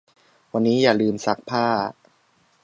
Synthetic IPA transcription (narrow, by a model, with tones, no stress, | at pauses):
wa˧nːiː˦˥jaː˨˩lɯː˧msa˦˥k̚pʰaː˥˩